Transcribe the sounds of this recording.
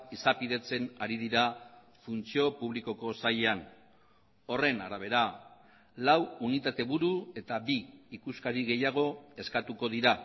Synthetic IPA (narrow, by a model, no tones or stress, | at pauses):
isapiðe̞t͡se̞naɾiðiɾa | funt͡sio̞puβ̞liko̞ko̞sajean | o̞re̞naɾaβ̞e̞ɾa | lawunit̪at̪e̞βuɾue̞t̪aβiːkuskaɾiɣe̞jaɣ̞o̞e̞skat̪uko̞ð̞iɾa